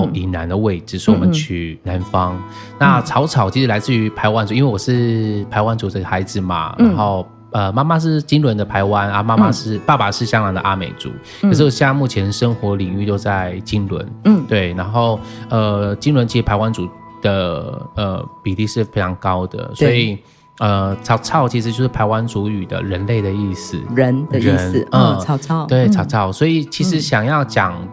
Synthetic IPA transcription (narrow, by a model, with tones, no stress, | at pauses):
ʊʔi˨˩na˧˥nd̪ə˨we˥˩ɪʈ͡ʂɻ̩˧˥˩wwɔ˨mə˧˦nt͡ɕʰy˥˩na˧˦˥nfɑ˦˥ŋ | na˥˩t͡sʰɑ˧˥ʊʈ͡ʂʰɑ˨˩ʊt͡ɕʰi˧˥ʂɻ̩˥˩la˧˥ɪt͡sɹ̩˥˩y˧˥pʰa˧˥ɪwa˥nt͡su˨˩i˦nwwɔ˨˩ʂɻ̩˥˩pʰa˧˥ɪwa˥nt͡su˨˩d̪ə˧˦xa˧˥ɪd͡zɹ̩˨ma̰˩na̰˧˦nxo˥˩ʊ | ə˨ma˥ma˧ʂ̬ɻ̩˥˩t͡ɕi˥nlwə˧˦nd̪ə˧pʰa˧˥ɪwa˥nə˧˥ma˥ma˧ʂɻ̩˥˧pa˥˩ba˨˩ʂɻ̩˥˩ɕjɑ˥ŋlɑ˧˥ŋd̪ə̰˧ʔa˥me˨˩ɪt͡sṵ˨˩˦ | kʰə˩ʂ̬̩˥˩˨ɕja˥˧mu˥˩t͡ɕʰjɛ˧˥nʂə˥ŋxwɔ˨˧˥li˨˩ŋy˥˧t̪jo˥˧ʊt͡sa˥˩ɪt͡ɕi˥nlwə̰˧˦n˥˩t̪we˥˩ɪna˧˥nxo˥˩ʊə˧t͡ɕi˥nlwə˧˦nʰt͡ɕʰi˧˥ʂ̩ɻ̩˧pʰa˧˥wa˥˦nt͡su˨˩ | d̪̥ə˨ə˧˩pi˨˩li˥˧ʂɻ̩˥˩fe˥ʈ͡ʂʰɑ˧˥ŋkɑ˥ʊd̪ə̰˨swɔ˧˦˥i˨˩ | ə˧t͡sʰɑ˧˥ʊt͡sʰɑ˥˩ʊt͡ɕʰi˧˥ʂɻ̩˧jo˥˧ʊʂɻ̩˥˩pʰa˧˥ɪwa˥nt͡su˧˥y˨˩d̪ə̰˦ɻə˧˦nle˥˩ɪd̪ə˩i˥˩s̩˨˩ɻə˧˦ndə˧ɻə˥˧˦n˨ə˥˩˥ɑ˥˧t̪we˥˩ɪt͡sʰɑ˧˩ʊt͡sʰɑ˥˩ʊswɔ˧˥i˨˩t͡ɕʰi˧˥ʂɻ̩˧˥ɕjɑ˨˩ŋjɑ˥˩ʊt͡ɕjɑ̰˨˩ŋ